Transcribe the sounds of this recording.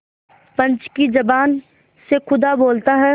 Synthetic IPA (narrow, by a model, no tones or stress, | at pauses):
pɐ̃ɲt͡ʃkid͡ʒɐbaːn | sekʰʊd̪aboːlt̪aɦɛ